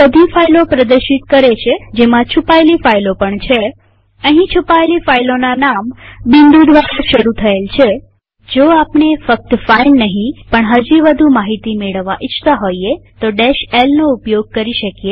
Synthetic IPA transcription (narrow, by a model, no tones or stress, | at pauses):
bəd̪ʱifailopɾəd̪əɾʃit̪kəɾet͡ʃʰed͡ʒemãt͡ʃʰupaelifailopəɳt͡ʃʰe | əɦĩt͡ʃʰupaelifailonanambɪnd̪ud̪ʋaɾaʃəɾut̪ʰəelt͡ʃʰe | d͡ʒoapɳefək̚t̪failnəɦĩpəɳɦəd͡ʒiʋəd̪ʱumaɦit̪imeɭəʋːaʔɪt͡ʃt̪aɦoiet̪oɖeʃelnoupjoɡ̚kəɾiʃəkje